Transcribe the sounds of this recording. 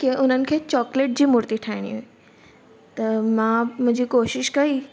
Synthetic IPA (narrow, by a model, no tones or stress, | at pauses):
kiʊnənɪ̆kʰeːt͡ɕɔːkleːʈ̚d͡ʑiːmʊɾt̪iʈʰaːɪɽ̃ḭɦoi | t̪ɐmãmʊ̃ɲd͡ʑʱiːkoːʃɪʃkɐiː